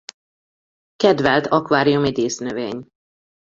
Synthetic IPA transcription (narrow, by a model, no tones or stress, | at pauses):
kɛd̪vɛlt̪ʰɒkʋaːɾijumid̪eːsnøveːɲ